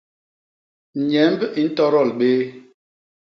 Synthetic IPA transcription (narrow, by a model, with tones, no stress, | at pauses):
ɲɛ˨˦mbi˦n̩˦tɔ˦ɾɔ˦˨lɓe˦